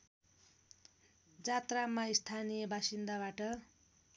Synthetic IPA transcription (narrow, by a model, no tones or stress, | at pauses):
d͡zat̪ramːaist̪ʰanijʌbʱasind̪aβaʈʌ